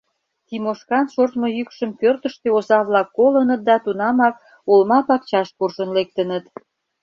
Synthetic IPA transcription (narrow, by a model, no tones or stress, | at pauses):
t̪imoʃkɑnʃort̪mojykʃəmpørt̪əʃt̪eozɑβlɑkːolənət̪̚d̪ɑt̪unɑmɑk̚ | ulmɑpɑk̚t͡ɕɑʃpurʒənlek̚t̪ənət̪